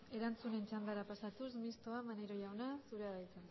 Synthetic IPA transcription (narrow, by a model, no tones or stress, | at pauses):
e̞ɾant͡sune̞nt͡ʃand̪aɾapasat̪usmist̪o̞amaneɾo̞ʝawnasuɾeaðajt͡san